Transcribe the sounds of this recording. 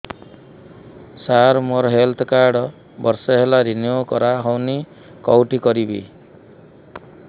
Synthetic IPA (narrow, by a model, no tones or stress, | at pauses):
saɾmoɾɦelt̪ʰɔkaɾɖɔ | bɔɾsɔɦelaɾinjukɔɾaɦɔwni | kɔwʈikɔɾibḭ